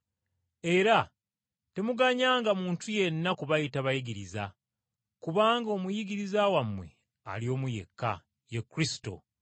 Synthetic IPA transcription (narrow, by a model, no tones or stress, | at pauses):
e̞ɾa | te̞muɡaɲaːŋɡamuːntuje̞nːakuβajitaβajiɡiɾiza | kuβaːŋɡo̞ːmujiɡiɾizawamwe̞̰ | a̰lio̞ːmuje̞̰kːa̰ | jekːɾisi̥to̞̰